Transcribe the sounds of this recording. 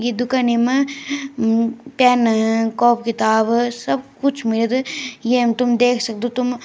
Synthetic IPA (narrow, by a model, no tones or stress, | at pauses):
ɡid̪ʊkaːnimɐ | pɛːnkɔːp̚kɪt̪aːbsɐbkʊt͡ʃʰmɪləd̪jemt̪ʊmd̪eːkʰsɐk̚d̪ot̪ʊm